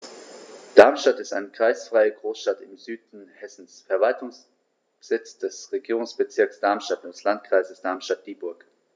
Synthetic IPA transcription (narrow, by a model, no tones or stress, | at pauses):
d̥aɐmʃtatɪstʔaɪnəkʁ̥aɪsfʁ̥aɪəɡʁoːsʃtatɪmzyːdn̩hɛsn̩sfɛɐvaltʰʊŋs | bz̥ɪt͡sd̥ɛsʁeɡiːʁ̞ʊŋsb̥ət͡sɪɐksd̥aɐmʃtatoslantkʁ̥aɪzəsd̥aɐmʃtat̚d̥iːbʊɐk